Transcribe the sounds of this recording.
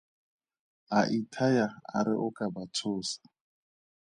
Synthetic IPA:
aʔitʰajaa̰ɾɪʔʊkʼabat͡sʰoːsḁ

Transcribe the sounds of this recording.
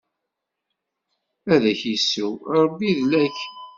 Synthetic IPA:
æðæçisːuwɾˤəbːiðlæç

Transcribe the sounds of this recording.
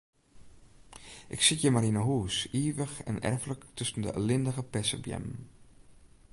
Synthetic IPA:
ʔɪksitjəmaɾinəɦuːsiːʋəxɛ̰nɛ̰rfləktʰɵsən̩də̰ʔə̰lɪndəɣəpɛsə̰bjɛ̰m

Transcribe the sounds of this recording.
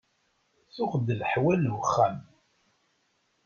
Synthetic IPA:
θʊʁd̪lħwælwəχːæm

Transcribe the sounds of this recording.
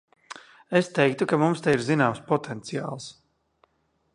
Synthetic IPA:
est̪ɛjk̚t̪ukamumst̪ajiɾzinaːmspɔt̪ʰent̪sija̰ːlˠs

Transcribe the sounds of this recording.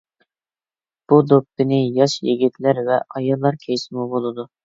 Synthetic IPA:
b̥ud̪opːɪnɪjɑʃjeɡʲit̪ʰlæɾvɛɑjɑlˠːɑɾkʲʰejsɪmubolˠɨd̪u

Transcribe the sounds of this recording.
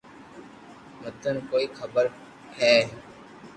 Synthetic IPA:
mət̪ənkoːiːkʰəbəɾ | hɛː

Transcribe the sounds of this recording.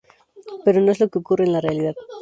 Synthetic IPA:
pe̞ɾo̞no̞e̞zlo̞keo̞kurenlarealiðað

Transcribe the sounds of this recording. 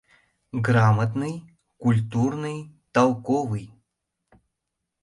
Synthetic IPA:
ɡramət̪nɨj | kulʲt̪urnɨjt̪ɐlˠkovɨj

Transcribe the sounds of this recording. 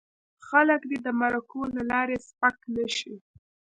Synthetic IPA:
xaləkd̪ed̪əmaɾakolalɑɾespaknəʃi

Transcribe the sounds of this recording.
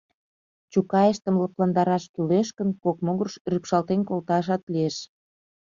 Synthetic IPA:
t͡ɕukɑeʃt̪ə̆mlɤplɑnd̪ɑɾɑʃkyleʃkə̆nkokmoɣə̆rʃrypʃɑlt̪enkolt̪ɑʃ̬ɑt̪lieʃ

